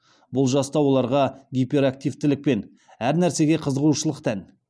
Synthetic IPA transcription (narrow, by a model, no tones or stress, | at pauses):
bʊlˠʒɑst̪ɑwo̞lˠɑɾʁɑɡʲijpe̞ɾak̚t̪ijvt̪ɪlɪk̚pe̞n | æɾnæɾse̞ɡʲe̞qʰəzəʁuʃəlˠəqt̪ʰæn